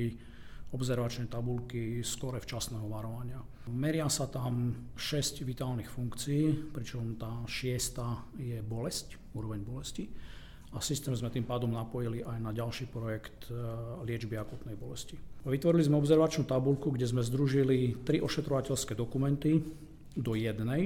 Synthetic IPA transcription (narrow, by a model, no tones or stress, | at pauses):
i | ɔbzɛɾʋat͡ʃnɛjt̪abulkiskɔɾɛft͡ʃasnɛːɦɔʋaɾɔʋaɲɪa | mɛɾɪasat̪amʃɛscʋit̪aːlnixfuŋkt͡siiːpɾit͡ʃɔmt̪aːʃɪɛst̪ajɛbɔlɛsc | uːɾɔʋɛɲbɔlɛsci | asist̪ɛːmzmɛt̪iːmpaːd̪ɔmnapɔjiliʔajnaɟalʃiːpɾɔjɛkt̪lɪɛd͡ʒbiakuːt̪nɛjbɔlɛsciʋit̪ʋɔɾilizmɛɔbzɛɾʋat͡ʃnuːt̪abulkuɡɟɛzmɛzd̪ɾuʒilit̪ɾiʔɔʃɛt̪ɾɔʋacɛʎskɛd̪ɔkumɛnt̪i | d̪ɔjɛd̪nɛj